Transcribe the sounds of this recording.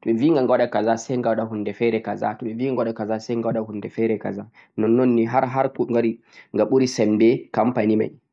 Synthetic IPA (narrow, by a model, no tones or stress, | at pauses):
tɔɓɛviːŋɡaŋɡawaɗakazasɛjŋɡawaɗahundɛfɛɾɛkaza̰tɔɓɛviːŋɡawaɗakazasɛjŋɡawaɗahundɛfɛɾɛka̰za | nɔnːonːiɦaɾɦaɾkuŋɡaɾi | ŋɡaɓuɾisɛmbɛkampanima̰j